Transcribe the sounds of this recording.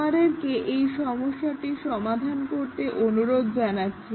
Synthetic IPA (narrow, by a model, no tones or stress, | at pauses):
aɾeɾkeʔejʃɔmoʃːaʈiʃɔmad̪ʱankoɾt̪eʔonuɾod̪d͡ʑanatːɕʰe